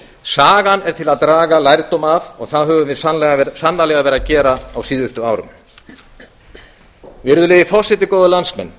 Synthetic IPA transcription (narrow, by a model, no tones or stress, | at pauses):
saːɣanɛɾt̪ʰɪlaðt̪ɾaːɣalajɾt̪ɔmavɔɣθaðɦœːvʏmvɪðsalɛasanːalɛːɣavɛːɾacɛːɾaawsiːðʏst̪ʏaːwɾʏ̰m | vɪɾðʏleːðɪfɔ̥sɪt̪ɪkɔːwðʏlansmɛ̰nː